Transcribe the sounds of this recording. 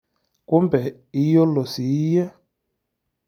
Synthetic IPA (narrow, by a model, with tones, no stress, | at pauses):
ku˦mbɛ˨ | i˦jɔ˦lɔ˨si˨˦jɛ˦